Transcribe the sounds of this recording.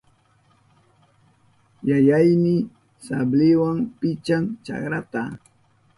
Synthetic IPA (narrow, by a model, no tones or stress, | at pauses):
jajajmɪ | sablɪwaŋpɪt͡ʃaŋt͡ʃa̰kɾat̪a